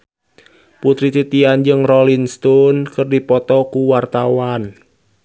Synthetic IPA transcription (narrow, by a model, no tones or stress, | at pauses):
put̪ɾit̪it̪iand͡ʒɨŋrɔlinst̪ɔnkərdipɔt̪ɔkuwart̪awan